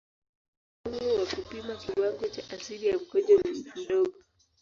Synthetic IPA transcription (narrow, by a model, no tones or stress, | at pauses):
umuwakupimakiwaŋɡɔt͡ʃaʔasilijam̩kɔʄɔm̩ɗɔɡɔ